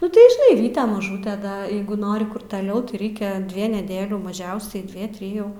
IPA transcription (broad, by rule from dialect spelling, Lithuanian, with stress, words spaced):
nʊ tɐɪ ʒʲɪˈnɐɪ ˈʋʲiːtʲɛ mɐˈʒuːtʲɛ dɐ ˈjɛɪɡʊ ˈnoːrʲɪ kʊr tɐˈlʲɛʊ tɐɪ ˈrʲɛɪkʲɛ ˈdʲʋʲiɛ nʲɛˈdʲeːlʲuː mɐˈʒʲɛʊsʲɛɪ ˈdʲʋʲiɛ ˈtʲrʲɪjuː